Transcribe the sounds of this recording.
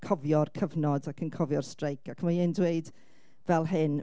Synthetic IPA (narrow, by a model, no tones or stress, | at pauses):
kʰɔvjɔrkʰəvnɔdakʰənkʰɔvjɔr̥strejkʰakʰəmajɪndweɨd | vɛlˠɦɨn